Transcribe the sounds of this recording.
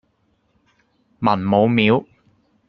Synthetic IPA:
mɐ˨˩nmo˨˧wmiː˨˥w

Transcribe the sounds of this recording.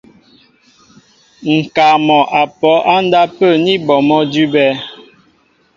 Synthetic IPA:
ŋ̩˨ka˨mɔ˨ʔa˨pɔ˨˦ʔa˦n̩˦da˦pə˦˨ni˦bɔ˨mɔ˦dʉ˦bɛ˦

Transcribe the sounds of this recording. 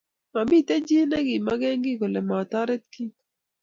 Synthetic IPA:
ma˨bi˦˨t̪ɛ˦d͡ʒi˦nɛ˦ɡɪ˨ma˦ɡɛ˦ŋɡɪ˦ko˨lɛ˨ma˨t̪a˦ɾɛ˦t̪̚ki˦

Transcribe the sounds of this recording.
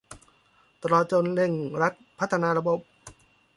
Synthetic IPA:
t̪ɾɔː˧t̪̚t͡ɕo˧nle˧˩ŋɾa˦˥t̪̚pʰa˦˥t̪ʰːa˧naː˧ɾa˧bo˨˧˦p̚

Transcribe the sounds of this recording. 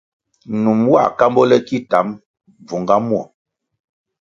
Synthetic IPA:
nu˨mwa̰˦˨ka˦mbɔ˦lɛ˦ki˦ta˨˦m | b͡vu˨ŋɡa˦mwɔ˨

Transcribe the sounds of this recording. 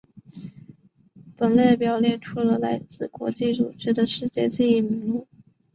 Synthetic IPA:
pə˨˩nle˥˩pjɑ˨˩ʊljɛ˥˩nʈ͡ʂʰu˥lə˧la˧˥ɪt͡sɹ̩˥˨˩kwɔ̰˧˥t͡ɕi˥˩ʈ͡ʂṵ˨˩ʈ͡ʂɻ̩˥˩d̪ə˨ʂɻ̩˥˧t͡ɕjɛ˥˧t͡ɕi˥˧i˥˩mi˧˥ŋlu˥˩˦

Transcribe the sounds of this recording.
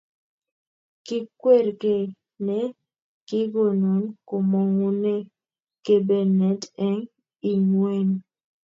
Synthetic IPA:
kɪ˦kwe˦˨ɾke˨ | ne˦ | kɪ˦ɡo˨no˨˦nko˨mo˨ŋu˦ne˦ | ke˦be˦nɛ˨˦tɛ˦ŋ | i˨ɲwe˦n

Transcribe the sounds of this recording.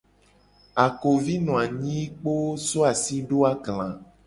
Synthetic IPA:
a˨ko˨vi˦nɔ̃˨a˨ɲĩ˦k͡po˦so˦a˨si˦ɖo˦a˦ɡlã˨

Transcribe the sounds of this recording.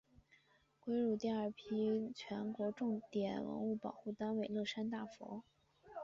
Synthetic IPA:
kwe˥ɪɻu˥˩t̪jɛ˥˧nə˞˥˩pʰi˥t͡ɕʰɥɛ˧˥nkwɔ˧˥ʈ͡ʂʊ˥˩ŋt̪jɛ˨˩nwə̰˧˥nu˥˩pɑ˨˩ʊxu˥˩t̪a˥nwe˥˩ɪlɤ˥˩ʂa˥nt̪a˥˩fɔ̰˧˥

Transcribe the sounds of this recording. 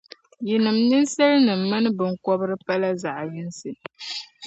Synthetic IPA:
ji˨nɨ˨mni˦n˦sɛ˦lnɨ˨m̩ː˦ɨ˦nɨ˦bɨ˨ŋ̩˦kɔ˦bɨ˦ɾɨ˦pa˦la˦za˨ʔji˦n˦sɨ˨

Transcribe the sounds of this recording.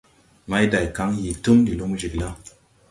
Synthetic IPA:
ma˦jda˨jka˨˦ŋji˨tu˦ŋdi˨lu˦m˦d͡ʒi˨kla˦

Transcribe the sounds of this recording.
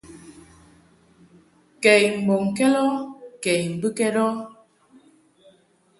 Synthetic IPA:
kɛ˨jm̩˨bɔ˨ŋ˨kɛ˦lɔ˦kɛ˨jm̩˨bɨ˦kɛ˦ɾɔ˦

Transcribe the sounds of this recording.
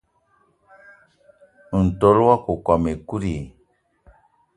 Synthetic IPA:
n̩˨to˨˦lwa˦ko˨kwa˨me˨ku˦ɾi˨

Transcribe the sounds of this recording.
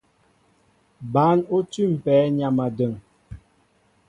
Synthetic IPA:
ba˨˦no˦tʉ˦˨m̩˨pɛː˨˦ɲa˨ma˨də˨ŋ

